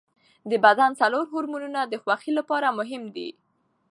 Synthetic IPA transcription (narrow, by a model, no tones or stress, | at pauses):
d̪əbad̪ant͡saloɾɦʊɾmununad̪əxwaxilapɑɾamʊɦɪmd̪ḭ